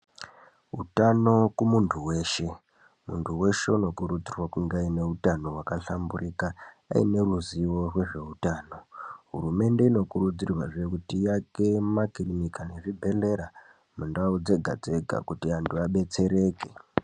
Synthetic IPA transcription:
ɦṵtano̞kumuntʰuwe̞ːʃe̞ | muntʰuwe̞ʃe̞uno̞kuɾud͡zirwakuŋɡaine̞utano̞ɦwakaɬamburika̰ː | ḭne̞ruziwo̞rwe̞ʐe̞utaːno̞ɦṵrume̞nde̞ino̞kuɾud͡zirwa̰ʐe̞kutijake̞makirinikane̞ʐibʱe̞le̞ɾa | mundaud͡ze̞ɡʱa̰d͡ze̞ɡʱa̰kutiantʰuaɓe̞t͡se̞ɾe̞ːke

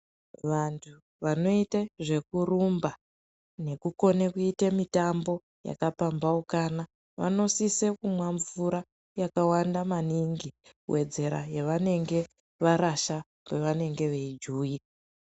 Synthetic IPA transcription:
ʋantʰu | ʋano̞iteʐe̞kurumba | ne̞kuko̞nekuitemitambo̞ | ja̰kapambaukana | ʋa̰no̞sisekumwaɱvuɾa | jakawandamaniŋɡi | we̞d͡ze̞ɾa̰jeʋane̞ŋɡe̞ | ʋaɾaʃa | pe̞ʋane̞ŋɡe̞ʋe̞id͡ʒuːi

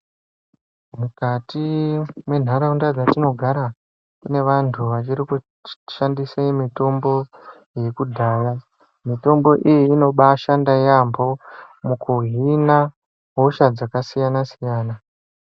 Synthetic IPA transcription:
mukatimwe̞n̤aɾaundad͡zatino̞ɡʱaɾa | kune̞ʋantʰuʋat͡ʃiɾiku | ʃandiseimito̞mbo̞ | je̞kudʱaːja | mito̞mbo̞ʔijiːno̞ɓaʃandajambo̞mukuɦina | ɦo̞ʃad͡zakasijanasijaːna

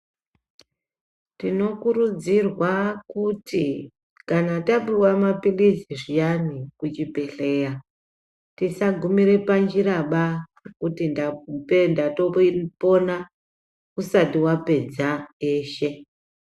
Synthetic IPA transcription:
tino̞kuɾud͡zirwakuti | kanataɓuwamapiliziʐijanikut͡ʃipe̞ɬe̞ːja | tisaɡʱumiɾe̞pand͡ʒiɾaɓa | kutindapendato̞po̞na | usatiwape̞d͡zaeːʃe̞

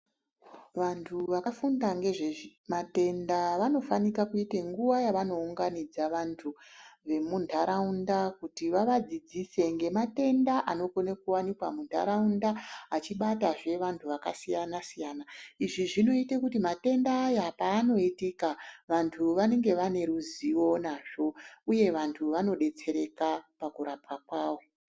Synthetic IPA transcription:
ʋantʰuʋakafundaŋɡe̞ʐemate̞ndaʋano̞fanikakuiteŋɡuʋajaʋano̞uŋɡanid͡zaʋantʰuʋe̞mundʰʱaɾaundakutiʋaʋad͡zid͡zise̞ŋɡe̞mate̞ndaʔano̞konekuwanikwamundʰʱa̰ɾaundaat͡ʃiɓataʐe̞ʋantʰuʋakasijanasijanaiʐiʐino̞itekutimate̞ndaːjapaːno̞itikaʋantʰuʋane̞ŋɡe̞ʋane̞ɾuziwo̞naʐ̥o̞uje̞ʋantʰuʋano̞ɗe̞t͡se̞ɾe̞kapakuɾapakwaːwo̞

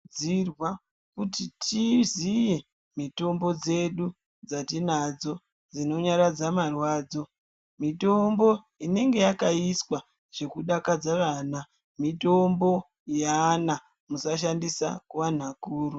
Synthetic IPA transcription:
irwa | kutitʰizije̞ | mito̞mbo̞d͡ze̞ɗu | d͡zatinad͡zo̞ | d͡zino̞ɲaɾad͡zamarwaːd͡zo̞ | mito̞mbo̞ | ine̞ŋɡe̞jakaiswa | ʐ̥e̞kuɗakad͡zaʋaːna | mito̞mbo̞ | jana | musaʃ̬andisa̰kuwan̤akuːɾu

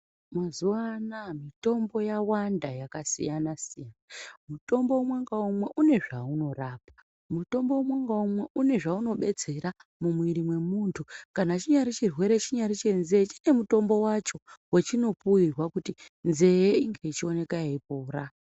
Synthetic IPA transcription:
mazuwanamito̞mbo̞jawandajakasḭjanasijanamuto̞mboumwaŋɡaumweʔune̞ʐauno̞raːpḁ | muto̞mboumwaŋɡaumweʔune̞ʐauno̞ɓe̞d͡ze̞ɾamumwiɾimwe̞muntʰukanat͡ʃiɲaɾit͡ʃirwe̞ɾe̞t͡ʃiɲaɾit͡ʃe̞nze̞t͡ʃine̞muto̞mbo̞wat͡ʃo̞wet͡ʃino̞puirwakuti | nze̞jeiŋɡe̞it͡ʃio̞ne̞kajaipoːɾa

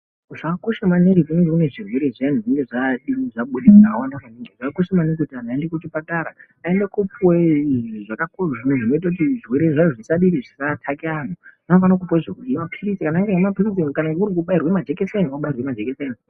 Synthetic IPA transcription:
ʐaakoʃamaniŋɡikuneŋɡekune̞ʐirwe̞ɾeʐan̤uʐiŋɡeʐaɗiniʐaɓuɗiakawandakaniŋɡeʐakakoʃamaniŋɡekutianaendekut͡ʃipataɾa | aendekupweʐakakoʐinuʐino̞it̬ak̬utiʐirweɾeʐat͡ʃoʐisaɗiɾiʐisatʰakian̤uʐ̥anofanak̬upweʐekumapʰirisikanaŋɡeamapirisikanaŋɡeuɾik̬uɓairwamad͡ʒekeseniwauɓairwemad͡ʒekeseni

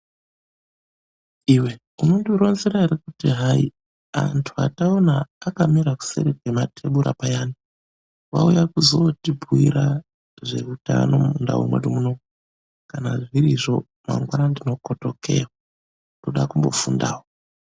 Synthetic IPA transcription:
iwe̞ | inondiɾo̞nzeɾaiɾekutiɦai | a̰ntʰua̰taonaːkamiɾaku̥sḛɾekwematʰeɓuɾa̰pajaːni | wa̰ujakuzo̞tibʱuiɾa | ʐe̞uta̰no̞munda̰wṵmwḛdumuno̞ | kanaʐiɾiʐo̞ | ma̰ŋɡwaɾandino̞koto̞kʰe̞̰wwa | ndoɗakumbo̞̰fundaːwo

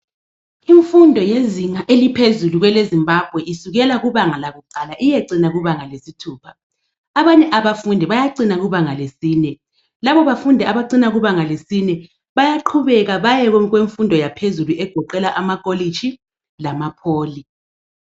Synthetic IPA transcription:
iɱfundʱɔjeziŋaʔelipʰezuluɣwɛlezimbʱab̥ʱwɛʔisuɣɛlaɣuβaŋalaɣuǃalaʔijeǀinaɣuβaŋalesitʰuːpʰḁː | βaɲɛʔaβafundʱɛβajaǀinaɣuβaŋalesiːnɛ | laβɔβafundʱɛaβaǀinaɣuβaŋalesinɛ | βajaǃʰuβɛɣaβajɛɣɣweɱfundʱɔjapʰezuluʔɛɡ̥ʱɔǃɛlaʔamakʼoli̥t͡ʃi | lamapʰoːli

